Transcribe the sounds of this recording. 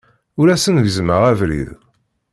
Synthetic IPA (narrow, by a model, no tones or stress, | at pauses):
ʊɾæsənvəzməʁævɾḭð